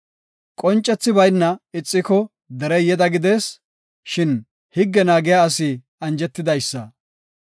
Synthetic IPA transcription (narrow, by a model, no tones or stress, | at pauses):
kʼɔnt͡ʃʼːɛt͡sːɪbɐjnːɐɪt͡sʼːɪkɔ | d̪ɛɾɛjɛd̪ɐɡɪd̪e̞ːs | ʃɪn | hɪɡːɛnaːɡɪjaːɐsɪ | ɐnd͡ʒɛt̪ːɪd̪ɐjsːɐ